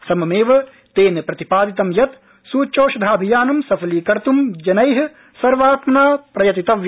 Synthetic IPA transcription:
sɐmɐmeːʋɐ | t̪eːnɐpɾɐt̪ipaːd̪it̪ɐmjɐt̪ | suːt͡ʃoːʃɐd̪ʱaːbʱijaːnɐmsɐpʰɐliːkɐɾt̪umd͡ʒɐnɐjɦ | sɐɾʋaːt̪mɐnaːpɾɐjɐt̪it̪ɐʋj

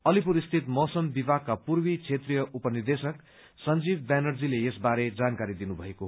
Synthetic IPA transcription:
ʌlipuɾist̪ʰit̪mʌsʌmbibʱakkːapurbit͡sʰet̪rijʌʔupʌnird̪esʌk | sʌnd͡zibbanʌrd͡zilejesbaɾed͡zankaɾid̪inubʱʌeko

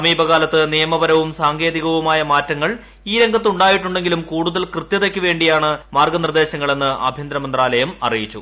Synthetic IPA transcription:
sɐmiːbɐɣaːlɐt̪ːɨnijɐmɐbɐɾɐʋumsaːŋɡe̞ːðiɣɐʋumaːjɐmaːtːɐŋːɐɭ | iːɾe̞ŋɡʱɐt̪ːuɳɖaːjiʈːuɳɖe̞ŋɡilumkuːɽuðɐlkrɨt̪jɐðekʲːɨʋe̞ːɳɖijaːɳɨmaːrɡɐnird̪e̞ːɕɐŋːɐɭe̞nːɨʔɐ̰bʱjɐnd̪ɾɐmɐnd̪raːlɐjɐmɐ̰rijit͡ɕːṵ

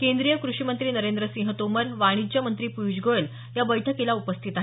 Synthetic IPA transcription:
kend̪ɾijəkɾuɕimənt̪ɾiːnəɾend̪ɾəsĩŋɦət̪oməɾʋaɽ̃id͡ʑəmənt̪ɾiːpujd͡ʑɡoɭel | jabəjʈʰəkilaupəst̪ʰit̪aɦe

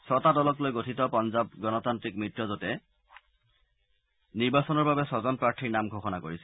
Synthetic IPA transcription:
sɔtadɔlɔklojɡotʰitɔpɔnzab̚ɡɔnɔtantɹikmɹitɹɔzɔtɛ | niɹbasɔnɔɹbabɛsɔzɔnpɹaɹtʰiɹnamɡʱoxɔnakoɹisɛ

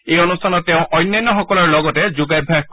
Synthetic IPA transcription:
ejɔnustʰanɔtːeʊ̃ʔɔjnːjanːɔxɔkɔlɔɹlɔɡɔtɛd͡ʒuɡajbʱa

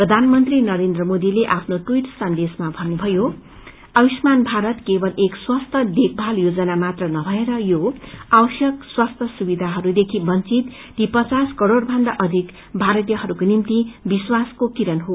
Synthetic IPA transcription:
prʌd̪ʱanmʌnt̪rinʌɾend̪rʌmod̪ileʔapʰnoʈuiʈsʌnd̪esmabʱʌnːubʱʌjo | ʌbismanbʱaɾʌt̪kebʌlekswast̪ʰʌd̪ek̚ʰbʱaljod͡zʌnamat̪rʌnʌbʱʌeɾʌjoawʌsjʌkswast̪ʰʌsubid̪ʱaɦʌɾud̪ekʰibʌnt͡sit̪ːipʌt͡saskʌɾoɽbʱʌnd̪aʔʌd̪ʱik | bʱaɾʌt̪ijʌɦʌɾukonimt̪ibiswaskokiɾʌnɦo

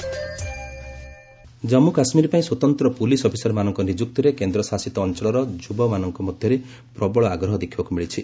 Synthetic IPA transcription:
d͡ʒɔmukasmiɾipaĩswɔt̪ɔnt̪ɾɔpulisɔpʰi̥sɔɾmanɔŋkɔnid͡ʒuk̚t̪ɔɾekend̪ɾɔsasit̪ɔːnt͡ʃɔɭɔɾɔd͡ʒubɔmanɔŋkɔmɔd̪ʱjɔɾe | pɾɔbɔɭɔaɡɾɔɦɔd̪ekʰːibakumiɭit͡ʃʰi

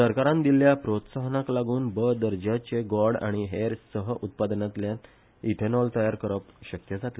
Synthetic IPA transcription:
səɾkaɾãnd̪iljapɾot̪saɦnaklaɡuːnbəd̪əɾd͡ʑat͡ɕeɡɔɾɽa̰ɽ̃iɦeɾsəɦəʔut̪̚pad̪nat̪ljan | it̪ʰenɔlt̪əjaɾkəɾəpɕəkjəd͡zat̪le

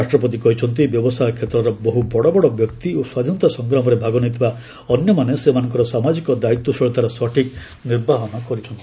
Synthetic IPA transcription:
aʃʈɾɔpɔt̪̬ikɔɦit͡ʃʰɔnt̪̬ibjɔbɔsajɔkʰet̪ɾɔɾɔbɔɦubɔɽɔbɔɽɔbjɔkt̪ioswad̪ʱint̪ɔsɔŋɡɾɔmɔɾebʱaɡɔnit̪ʰiba | ɔnjɔmanesemanɔŋkɔɾɔsamad͡ʒikɔd̪ait̪ːɔsɔɭt̪aɾɔsɔʈʰik | niɾbʱaɦɔnɔkɔɾit͡ʃʰɔnt̪i̥

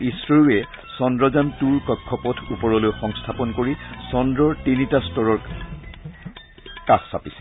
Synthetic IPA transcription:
isɹɔjuɛ | sɔndɹɔzantuɹkɔkʰːɔpɔtʰupɔɹɔlojxɔŋstʰapɔnkoɹisɔndɹɔɹtinitastɔɹɔɹ | kaxsapisɛ̥

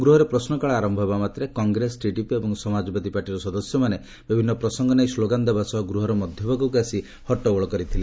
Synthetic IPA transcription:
ɡɾuɦɔɾepɾɔsnɔkaɭaaɾɔmbʱɔbamat̪ɾekɔŋɡɾesʈiʈipebɔŋsɔmad͡ʒɔbad̪ʱipaɾʈiɾɔsɔd̪ɔsjɔmane | bibʱinːɔpɾɔsɔŋɡɔnajsloɡand̪ebʱasɔɡɾuɦɔɾɔmɔd̪ʱjɔbʱaɡukuasi | hɔʈɔɡɔɭɔkɔɾit̪ʰile

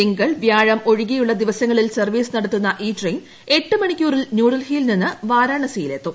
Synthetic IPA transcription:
iŋɡɐɭʋjaːɻɐmo̞ɻiɣijuɭːɐd̪iʋɐsɐŋːɐɭilsɐrʋiːsɨnɐɽɐt̪ːunːɐʔiːtrejn | e̞ʈːɨmɐɳikʲːuːrilnjuːɽɐlhiːlninːɨʋaːɾaːɳɐsijile̞t̪ːum

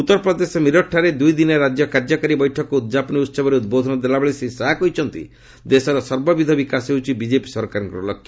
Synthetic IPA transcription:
ut̪ːɔɾɔpɾɔd̪esɔmiɾɔʈʰːaɾed̪ujd̪inɔɾad͡ʒjɔkaɾd͡ʒɔkaɾibɔjʈʰɔkɔud̪d͡ʒapɔniut̪ːsɔbɔɾeud̪̚bod̪ʱɔnɔd̪elabɔɭisesakɔjt͡ʃʰɔnt̪ḭ | d̪esɔɾɔsɔɾbɔbid̪ʱɔbikasɦeut͡ʃʰibid͡ʒepi̥sɔɾkaɾɔŋkɾɔlɔkʰːj

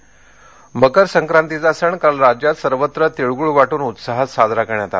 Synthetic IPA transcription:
məkəɾsəŋkɾant̪id͡zasəɳkalɾad͡ʑjat̪səɾʋət̪ɾət̪eɭɡuɭʋaʈuːnut̪saɦət̪sad͡z̪ʱɾakəɳjat̪a̰t̪

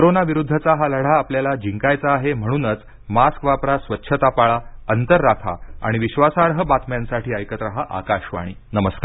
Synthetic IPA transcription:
koɾonaʋiɾud̪ʱːət͡saɦaləɽ̤aːpljalad͡ʑiŋkajt͡saːɦem̤əɽ̃uːnət͡s | maskʋapɾasʋətːɕʰət̪apaɭaənt̪əɾːak̪ʰa̰a̰ɽ̃iʋiɕʋasaɾɦəbat̪mjansaʈʰiːəjkət̪ɾəɦaʔa̰kaɕʋa̰ɽ̃iːnəməskaɾ

